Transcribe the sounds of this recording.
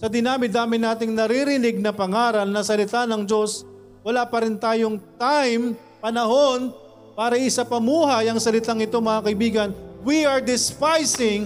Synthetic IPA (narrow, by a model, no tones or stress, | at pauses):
sɐd̪ɪnaːmɪd̪aːmɪnaːt̪ɪŋnɐɾiɾɪnɪɡ̚nɐpɐŋaːɾɐlnɐsɐlɪt̪anɐŋd͡ʒo̞s | wɐlaːpɐɾɪnt̪aːjo̞ŋt̪ajm | pɐnɐho̞n | paːɾɐʔɪsapɐmuːɦɐjɐŋsɐlɪt̪aŋɪt̪o̞mɐŋakɐʔɪbiːɡɐnwiɐɹd̪ɪspajsɪŋ